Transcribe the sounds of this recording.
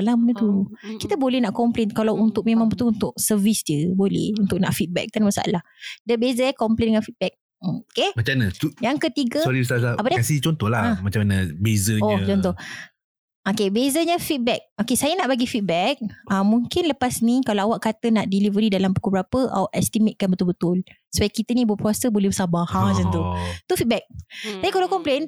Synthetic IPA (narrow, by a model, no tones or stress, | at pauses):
lahbənət̪ukit̪abolɛhnaʔkɔmplenkalawunt̪ʊk̚mẽmãŋbət̪uunt̪ʊʔ̚sərvisdəbolɛ̰hunt̪ʊkʔnaʔfit̪̚bɛ̰k̚t̪anmasa̰ʔa̰lah | dəbezəakɔmplendəŋanfit̪̚bɛk̩̚ | okemat͡ʃanat̪ujaŋkət̪iɡəsoɾibisalaapadakasit͡ʃɔnt̪ɔhlaãmat͡ʃamanabezəot͡ʃɔnt̪ɔ | ʔokebezəɲəfit̪̚bɛk̚okesajanaʔbaɡifit̪̚bɛk̚amũŋkɪnləpasnikaloawaʔkat̪ənaʔdilivəɾidalampu̥kubəɾapəʔa̰waʔɛst̪imet̪̚kanbət̪ʊlbət̪ʊl | səbajkit̪ənĩbəpuasəbolɛhbəsabahasənt̪ut̪ufit̪̚bɛk̚t̪apikalokɔmplen